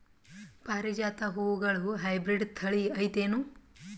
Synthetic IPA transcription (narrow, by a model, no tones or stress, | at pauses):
paːɾid͡ʒaːt̪ɐɦoːʋuɡɐɭuɦɐjbɾiɖt̪ʰɐɭiɐjt̪eːnu